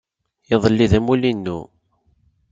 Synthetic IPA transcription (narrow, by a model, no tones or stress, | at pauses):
jəðˤəlːiðæmulinːṵ